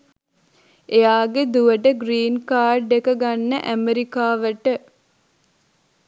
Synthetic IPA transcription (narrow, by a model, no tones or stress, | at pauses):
ejaːɡed̪uʋəʈəɡɾiːnkaːrɖekəɡanːəʔæmeɾikaːʋəʈə